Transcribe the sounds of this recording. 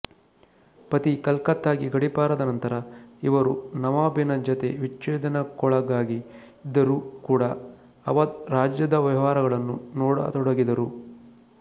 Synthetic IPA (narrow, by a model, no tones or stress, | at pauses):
pɐt̪ikɐlkɐt̪ːaːɡiɡɐɽipaːɾɐd̪ɐnɐnt̪ɐɾɐiʋɐɾunɐʋaːbinɐd͡ʒɐt̪e̞ʋit͡ʃːeːd̪ɐnɐkɔɭɐɡaːɡiː | d̪ɐɾuːkuːɽɐ | ɐʋɐd̪ɾaːd͡ʒjɐd̪ɐʋjɐʋaːɾɐɡɐɭɐnːunɔːɽɐ̰t̪ɔɽɐɡid̪ɐɾu